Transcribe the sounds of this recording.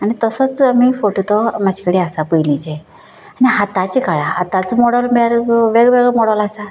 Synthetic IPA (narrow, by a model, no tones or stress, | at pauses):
aɽ̃it̪əsət͡samifoʈot̪ɔmad͡ʑʰʱikəɽiasapəjlit͡ɕe | aɽiɦat̪at͡ɕikaɭaat̪at͡smɔɽəlmeɭaɾʋeɡʋeɡɭɛmɔɽəlasa